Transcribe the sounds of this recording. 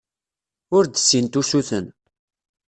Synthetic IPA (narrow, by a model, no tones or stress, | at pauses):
ʊɾd̪əsːint̪usuθən